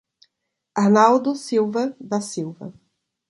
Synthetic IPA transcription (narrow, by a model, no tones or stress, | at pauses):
anawd̪ʊsiwvɐd̪ɐsiwvɐ̰